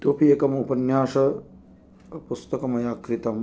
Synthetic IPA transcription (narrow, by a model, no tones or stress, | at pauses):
t̪oːpʰieːkɐmupɐnjaːʂɐ | pust̪ɐkɐmɐjaːkɾit̪ɐm